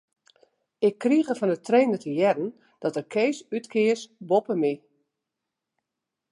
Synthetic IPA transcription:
ɪkːriɣəfɔnətreːndətʰəjɛdən̩ | d̥ɔtəkʰejsytkʰɪːsbɔpəmi

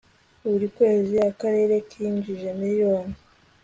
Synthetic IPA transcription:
uβuɾikwe̞ːziakaɾe̞ːɾe̞kʰiːɲd͡ʒiʒe̞nijoːni

